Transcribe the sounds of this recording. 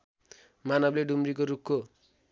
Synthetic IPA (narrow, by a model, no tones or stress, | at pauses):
manʌbleɖumrikoɾukʰːo